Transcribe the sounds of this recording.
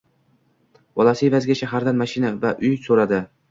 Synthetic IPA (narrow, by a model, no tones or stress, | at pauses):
bɒlˠasɪevazɡʲaʃaɦaɾd̪anmaʃɪnavaʔʊjsoɾad̪ɪ